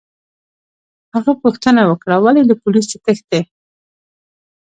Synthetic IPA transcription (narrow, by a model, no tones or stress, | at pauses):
haɣapuxt̪ənawəkɽawalid̪əpulisot̪əxd̪e